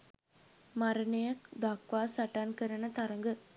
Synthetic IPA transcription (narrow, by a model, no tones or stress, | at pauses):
mɐɾɐnejɐkd̪aːkʋaːsɐʈːaːnkɐɾɐnɐt̪ɐɾɐŋɡɯ